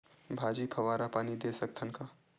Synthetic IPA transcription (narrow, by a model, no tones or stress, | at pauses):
bʱaːd͡ʒipʰɐʋaːɾapaːnid̪esɐk̚t̪ʰənka